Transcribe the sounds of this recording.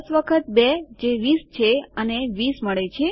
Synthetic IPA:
sʋəkʰət̪̚bed͡ʒeʋist͡ʃʰeəneʋisməɭet͡ʃʰe

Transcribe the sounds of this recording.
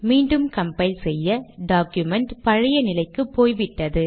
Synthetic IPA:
miːɳɖɯmkɐmpɐɪlsɛjːɐɖaːkjɯmɛɳʈpɐɻɐjɐnɪlɐɪkːɯpːoːjʋɪʈːɐðɯ

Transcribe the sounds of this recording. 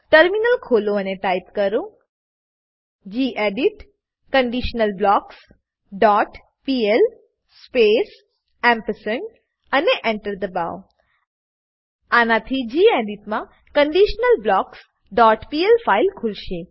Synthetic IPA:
ʈəɾminəlkʰolõəneʈajpkəɾõ | d͡ʒiʔeɖiʈ | kəɳɖiʃnəlblɔks | ɖɔʈ | piel | spes | ɛ̃mpəsəɳ | əneʔeɳʈəɾd̪əba̰w | anat̪ʰid͡ʒieɖiʈmã | kəɳɖiʃnəlblɔks | ɖɔʈpielfailkʰulʃe

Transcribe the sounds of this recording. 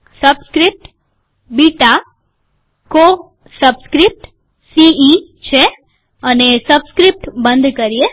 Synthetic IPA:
səbskɾip̚ʈ | biʈa | ko | səbskɾip̚ʈ | siit͡ʃʰe | ənesəbskɾip̚ʈbə̃nd̪ʱkəɾije

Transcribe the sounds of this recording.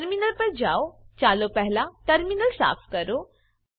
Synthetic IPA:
ɾminəlpəɾd͡ʑaot͡ɕaːlopɛɦlaʈəɾminəlsa̰ːfkəɾo

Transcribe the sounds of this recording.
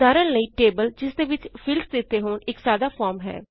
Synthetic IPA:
d̪aːɾənləiːʈeːbəld͡ʒɪsd̪eːʋɪt͡ʃfʰɪlsd̪ɪt̪ːeːɦoːnɪksaːd̪aːfʰɔːɾmɦɛ̰ː

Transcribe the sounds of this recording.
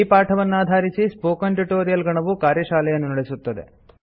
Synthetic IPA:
paːʈʰɐʋɐnːuaːd̪ʱaːɾisispoːkɐnʈuʈoːɾijɐlɡɐɳɐʋukaːɾjɐʃaːlɛjɐnːunɐɽesut̪ːɐd̪ḛ

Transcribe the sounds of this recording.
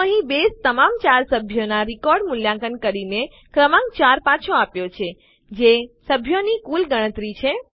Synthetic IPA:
əɦĩbest̪əmamt͡ʃaɾsəbʱjonaɾikɔɾɖmuljãkənkəɾine | kɾəmãŋk̚t͡ʃaɾpat͡ʃʰoapjot͡ʃʰe | d͡ʒesəbʱjonikulɡəɽ̃ət̪ɾit͡ʃʰe

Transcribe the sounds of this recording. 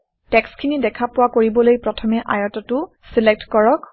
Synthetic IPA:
tɛkskʰinidɛkʰapʊwakoɹibɔlojpɹɔtʰɔmɛʔajɔtɔtʊ | silɛk̚tkɔɹɔk

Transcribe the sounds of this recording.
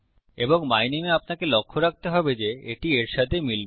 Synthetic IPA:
eboŋmajnimeapnakelokʰːoɾak̚t̪eɦɔbed͡ʑeeʈieɾʃat̪ʰemil

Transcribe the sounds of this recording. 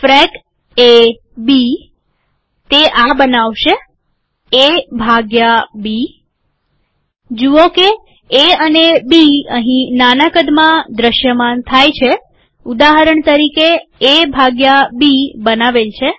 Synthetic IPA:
fɾɛk | e | bi | t̪eʔabənaʋʃe | ebʱaɡjabi | d͡ʒuoke | eənebiə̰ɦĩnanəkəd̪mãd̪ɾəʃjəmant̪ʰajt͡ʃʰe | ud̪aɦəɾəɳt̪əɾikeːbʱaɡjabibənaʋelt͡ʃʰe

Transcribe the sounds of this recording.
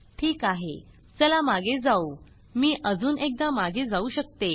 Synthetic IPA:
ʈʰiːkaɦḛ | t͡səlamaɡʱed͡zau | miːʔəd͡zuːnʔek̚d̪amaɡʱed͡zauɕək̚t̪e

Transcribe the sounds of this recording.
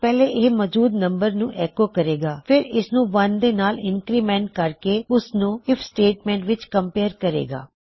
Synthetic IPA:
pɛːleːʔeːmɔːd͡ʒuːd̪nəmbəɾnũːʔɛːkoːkəɾeːɡaːpʰɪɾɪsnũːʋənd̪eːnaːlɪŋkɾiːmɛ̃ːɳʈ̚kəɾkeːʊsnũːɪpʰsʈeːʈmɛ̃ːɳʈʋɪt͡ʃkəmpeːɾkəɾḛːɡa̰ː

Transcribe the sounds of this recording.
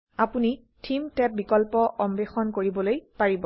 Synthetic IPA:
apuni | tʰimtɛp̚bikɔlpɔʔɔmbexɔnkoɹibɔlojpaɹibɔ

